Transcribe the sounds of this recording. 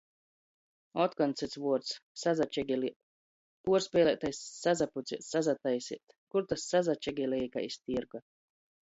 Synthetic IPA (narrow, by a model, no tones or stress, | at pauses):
ɔt̪kɔnt̪sɛt̪svuɔɾt̪ssazat͡ʃɛɡʲili | puɔɾspʲɛːlʲɛt̪ajsːazaput̪sit̪sazat̪ajsḭt̪ | kuɾt̪asːazat͡ʃɛɡʲɛlɛjka̰ist̪iɾɡa